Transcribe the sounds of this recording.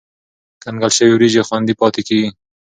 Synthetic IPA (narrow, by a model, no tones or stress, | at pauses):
kaŋɡalʃəwiwɾid͡ʒexwand̪ipɑt̪ekiɡi